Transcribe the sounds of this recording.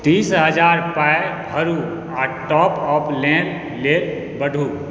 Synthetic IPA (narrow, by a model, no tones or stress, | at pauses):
t̪iːsɦəd͡ʒaːɾpaebʱəɾu | aːʈɔːpɔːpʰlɛ̃ːl | leːl | bəɖʱuː